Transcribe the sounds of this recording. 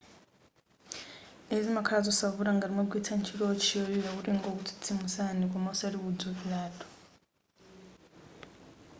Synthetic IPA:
ezimakʰalazosaβuɾaŋɡaɾimoɡwitʰant͡ʃʰilot͡ʃʰiojiɾaβuɾiŋɡokutʰi̥tʰimusanikʼɔmasaɾiβuduβilaːtʼɔ̥

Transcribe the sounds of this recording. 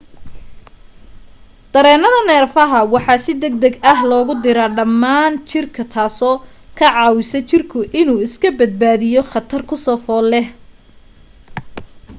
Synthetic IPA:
d̪̥ɐɾɛːnɐðɐnɛːrfɐɦɐwɑħɑsɪd̪ɐɡ̚d̪ɐɡɐɦlɔːɣʊd̪ɪɾɐɖɐmːaːnt͡ʃɪrkʰɐt̪ʰaːsɔː | kʰɐʕɑːwɪsɐt͡ʃɪrkʰʊʔɪnuːɪskʰɐbɐd̪̚baːðɪjɔχɐt̪ʰɐrkʰʊsɔːfɔːlɛh

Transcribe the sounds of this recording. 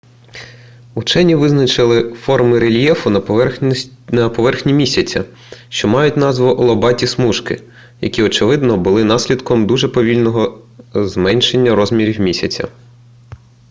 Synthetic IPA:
ut͡ʃɛnʲiʋɪznɐt͡ʃɪlˠɪfɔrmɪɾelʲjɛfʊnɐ | nɐpɔʋɛrxnʲimʲisʲɐt͡sʲɐ | ʃt͡ʃɔmɑjʊtʲnɑzʋʊʔɔlˠɔbɑtʲismuʃkɪ̰ | jɐ̰kʲiɔt͡ʃɪʋɪd̪nɔbʊlˠɪnɑsʲlʲid̪kɔmd̪uʒɛpɔʋʲilʲnɔɦɔzmɛnʲʃenʲːɐɾɔzmʲiɾʲiwmʲisʲɐt͡sʲɐ̰

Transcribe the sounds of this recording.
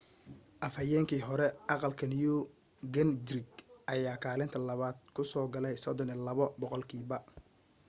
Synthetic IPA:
ʔɐfɐjɛːŋkʰiːɦɔɾɛʔɑqɑlkʰɐniju | ɡɐndɾɪɡʔɐjaːkʰaːlɪnt̪ʰɐlɐβaːd̪̚kʰʊsɔːɡɐlɛjsɔd̪ɔnilɐβɔbɔqɔlkʰiːbɐ

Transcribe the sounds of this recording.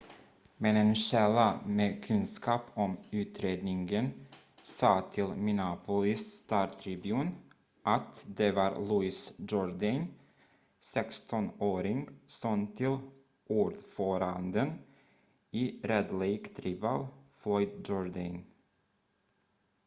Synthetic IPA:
mɛnɛːnʃɛlːameːkʰɵnskʰɑːpɔmʉ̟ːt̪ɾeːd̪nɪŋɡən | sɑːt̪ʰɪlmɪnɑpʰʊlɪst̪ɑːʈʰɾɪbʉːn | ʔat̪d̪ɛvɑɾluɪsd͡ʒɔɾd̪an | sɛkst̪ɔnoːɾɪŋsɔnt̪ʰɪl | ʔuːɖfœːɾand̪ən | iɾɛd̪lɛjkt̪ʰɾiːva̰lflɔʏjd̪d͡ʒɔɾd̪an

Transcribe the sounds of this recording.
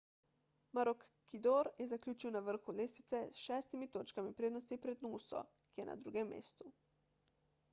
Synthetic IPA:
maɾɔkːid̪oːɾjɛzaklʲuːt͡ʃiwnaʋəɾxuleːsit̪sɛsʃɛːst̪imit̪oːt͡ʃkamipɾeːd̪nɔst̪ipɾɛd̪nusɔ̰ | kijɛnʔa̰d̪ɾuːɡɛmːḛːst̪u

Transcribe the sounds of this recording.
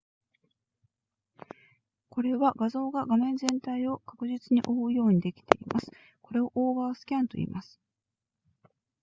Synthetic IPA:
ko̞ɾe̞βaɡazo̞ːɡaɡamẽ̞nd͡zẽ̞nt̪aio̞kakɯ̟ʑit͡sɨɲ̟iʔo̞ɯ̟jo̞ːɲ̟id̪e̞kʲi̥t̪e̞ḭmʔasɨ̥ | ko̞ɾe̞o̞ʔoːβaːsɨ̥kʲãnt̪o̞̰ḭːmʔasɨ̥

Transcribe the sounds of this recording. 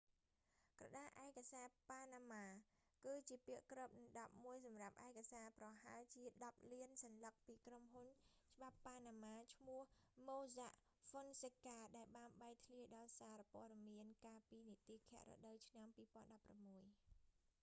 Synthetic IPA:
krɑ̰ɗaːʔaɛkasaːpaːnaːmaː | kɨːt͡ɕiəpiəʔkrəp̚nɨŋɗɑp̚muəjsɑmrap̚ʔaɛkasaːprɑɦaɛlt͡ɕiəɗɑp̚liənsɑnlək̚piːkromɦunt͡ɕəɓapːaːnaːmaːt͡ɕʰmʊəhmoːzaʔ | fonsekaːɗaɛlɓaːnɓaɛk̚t̪ʰliəɗɑːlsaːɾapoəɗɑmiənkaːlpiːnit̪iːkʰɛ̆əʔro̰ɗəwt͡ɕʰnampiːpŏənɗɑpːramːuəj

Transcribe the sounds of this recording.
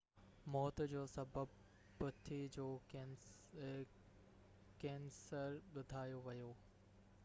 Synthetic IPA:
mɔːt̪̆d͡ʑoːsɐbəb̚ | pʊt̪ʰid͡ʑoː | kɛ̃ːnsəɾɓʊd̪ʱaːjoʋɐjoː

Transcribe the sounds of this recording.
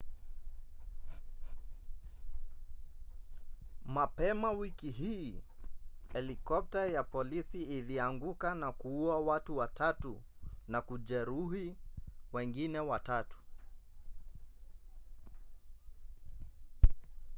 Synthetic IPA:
mapɛmawikiɦiː | hɛlikɔp̚tajapɔlisiːliaŋɡukanakuuawatuwatatunakuʄɛɾuhiwɛŋɡinɛwatatu̥

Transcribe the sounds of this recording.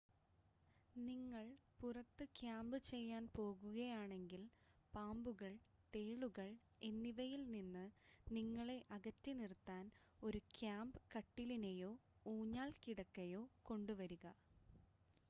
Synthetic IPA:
niŋːɐɭpurɐt̪ːɨkjaːmbɨt͡ɕe̞jːaːnpo̞ːɣuɣɐjaːɳe̞ŋɡil | paːmbuɣɐɭ | t̪e̞ːɭuɣɐɭ | e̞nːiʋɐjilninːɨniŋːɐɭe̞ʔɐɣɐtːinirt̪ːaːn | o̞ɾukjaːmbɨkɐʈːilinejo̞ːuːɲːaːlkiɽɐkːɐjo̞ːko̞ɳɖuʋɐɾuɣɐ

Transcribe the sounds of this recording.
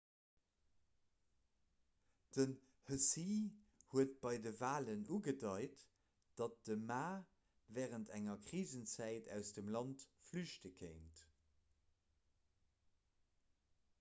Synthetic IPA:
d̥ən | həsihuət̚b̥ɑɪdəvaːlənuɡədɑɪt | d̥ɑt̚d̥əmaː | vɛːʁəntʰæŋɐkʁiːzənt͡sæɪtʰæ̰ʊsd̥əmlɑntflyʃtəkʰəɪnt

